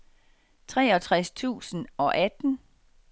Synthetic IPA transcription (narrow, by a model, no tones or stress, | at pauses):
t͡sʰʁɛːɒ̽t͡sʰʁast͡sʰṵːsn̩ɒ̽ʔæd̥n̩